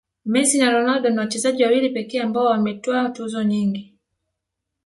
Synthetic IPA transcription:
mɛsinaɾɔnaldɔnawat͡ʃɛzaʄiwawilipɛkɛːambaɔwamɛtɔatuzɔɲiŋɡi

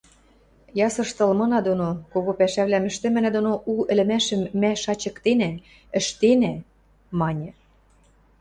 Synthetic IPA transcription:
jɑsɤ̆ʃt̪ɤ̆lmɤ̆nɑd̪onokoɣopæʃæβlæmɘ̆ʃt̪ɘ̆mɘ̆næd̪onoʔuɘ̆lɘ̆mæʃə̆mːæʃɑt͡ɕɤ̆kt̪enæ | ə̆ʃt̪enæ | mɑnʲɤ̆

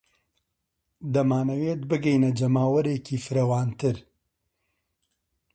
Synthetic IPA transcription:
d̪ɐmaːnɐweːt̪̚bɨɡɛjnɐd͡ʒɐmaːwɐɾeːciːfɨɾɐwaːnt̪ʰɨɾ

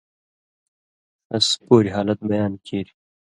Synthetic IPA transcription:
ɐspoːɾiɦaːlɐt̪̚bɐjaːnkʰeːɾi

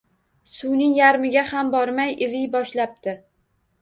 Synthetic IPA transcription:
sʊwnɪŋjaɾmɪɡʲahambɒɾmajɪvɪjbɒʃlap̚t̪ʰɪ

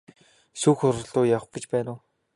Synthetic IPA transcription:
suːxʊɾə̆ɮʊːjaw̆χɡĕt͡ɕpæːnʊː

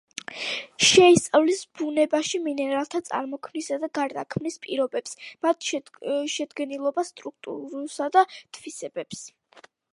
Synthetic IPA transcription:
ʃɛist̪sʼavlisbunɛbaʃiminɛɾalˠt̪ʰat̪sʼa̰ɾmɔkʰmnisad̪aɡaɾd̪akʰmnispʼiɾɔbɛpsmat̪ʰʃʃɛd̪ɡɛnilˠɔbast̪ʼɾuk̚ʰt̪ʼṵɾusad̪at̪ʰvisɛbɛps

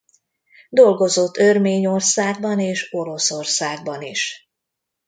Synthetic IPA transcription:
d̪o̞lɡo̞zo̞t̪ːørmeːɲo̞rsaːɡ̚bɒneːʃo̞lo̞sorsaːɡ̚bɒniʃ

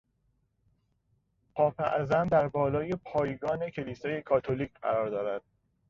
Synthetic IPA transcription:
pʰɒːfæ̰ʔzænd̪æɾbɒːlɒːjepʰɒːjɡɒːne̞cʰe̞liːsɒːje̞kʰɒːt̪ʰoliːkcʰɢæ̰ɾɒːɾd̪ɒːɾæd̪̥̚

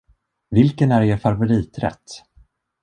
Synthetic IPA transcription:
vɪlkənæɾeɾfaɾvʊɾiːt̪ɾɛ̰t̪ː

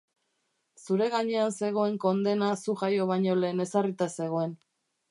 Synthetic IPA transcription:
suɾe̞ɣ̞aɲe̞anse̞ɣ̞o̞e̞ŋko̞nd̪e̞nasuʝajo̞β̞aɲo̞le̞ːne̞sarit̪ase̞ɣ̞o̞e̞n

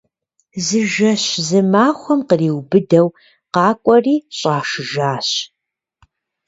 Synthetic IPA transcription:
zɨʒɐɕzɨmaːχʷɔmqəriːwbɨdɐw | qɑːkʷʼɔriːɕʼaːʂɨʒaːɕ

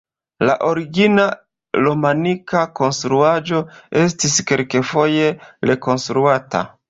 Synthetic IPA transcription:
la̰ʔo̞ɾiɡina | lomanikako̞nstɾuad͡ʒo̞e̞stiskelke̞fo̞je̞ɾe̞ko̞nstɾuata̰

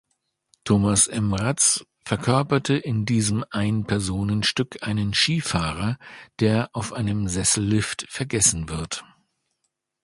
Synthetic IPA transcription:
tʰoːmasʔɛmʁat͡s | fɛɐkʰœɐpɐtʰəʔɪndiːzəmʔaɪnpʰɛɐzoːnənʃtʏkʰʔaɪnənʃiːfaːʁ̞ɐd̥eːɐʔaʊfʔaɪnəmzɛsl̩ːɪftfɛɐɡɛsn̩vɪɐt

